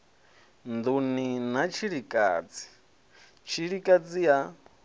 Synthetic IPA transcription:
nd̪uninat͡ʃʰiɺikʼa̰ːd͡zi̥ | t͡ʃʰiɺikʼad͡zija

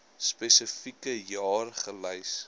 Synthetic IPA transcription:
spɛsəfikəjɑːrχəlɐjs

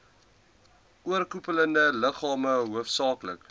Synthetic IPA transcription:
ʔuərkupələndələχɑːməɦuəfsɑːklək

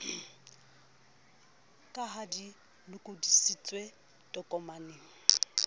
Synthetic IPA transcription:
kʼaɦadi | lʊkʼʊdisit͡sʼwe | tʼɔkʼɔmaneːŋ̩

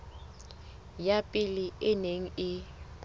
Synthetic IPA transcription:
japʼiliɪneŋ̩ɪ

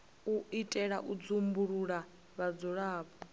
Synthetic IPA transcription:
uitʼɛɺaʔud͡zumbuɺuɺa | βad͡zɔɺaːpʰʼɔ

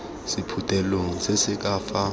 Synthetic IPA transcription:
sipʰutʼɛloŋ̩sɛsɪk̬ʼaːfa

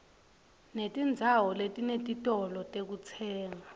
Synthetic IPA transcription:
netʼind͡zʱawɔletʼinetʼitʼɔlɔtʼek̬ut͡sʰɛːŋa

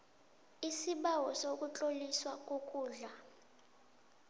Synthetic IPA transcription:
isiɓawɔsok̬ʼut͡ɬʼoliswak̬ʼokʼuːɮa

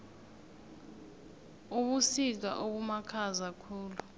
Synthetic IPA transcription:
uɓusitʼa̰ʔoɓumakʰazakʰuːlu

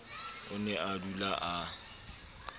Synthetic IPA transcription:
ʊnɛʔadulaʔa

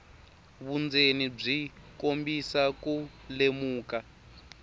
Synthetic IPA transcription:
βund͡zenib͡ʐikombisaku | lemuːka

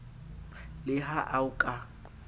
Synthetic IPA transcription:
lɪɦaʔaʊkʼa

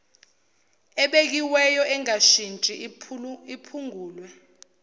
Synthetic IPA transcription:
ɛɓek̬iwɛjɔʔɛŋaʃint͡ʃʼi | ipʰuŋuːlwɛ

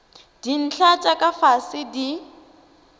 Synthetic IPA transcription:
d̥in̩ɬʰat͡ʃʼakʼafasɪdi

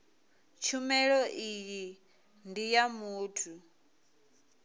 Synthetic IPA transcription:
t͡ʃʰumɛɺɔʔiji | ndijamuːtʰu

